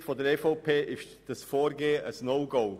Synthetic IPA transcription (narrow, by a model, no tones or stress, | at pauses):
tfɔdəɾɛfoʊpʰeːʔɪʃ | d̥əsfɔːɾɡeːəʔəsnoʊɡoʊ